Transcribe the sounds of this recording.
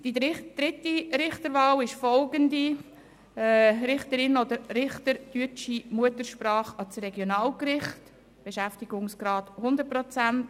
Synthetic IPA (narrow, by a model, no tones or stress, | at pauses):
d̥iɪd̥ɾɪtiɾɪχtəɾvɑːwɪʃfɔlɡəndi | ɾɪχtəɾɪnɔd̪əɾɾɪχtəɾdyət͡ʃimuətəɾʃpɾɑːχɑt͡srɛɡjonɑːlkɾɪχt | b̥eʃæftiɡ̥ʊŋsɡ̥ɾɑːthʊnd̪əɾt̚pɾɔt͡sænt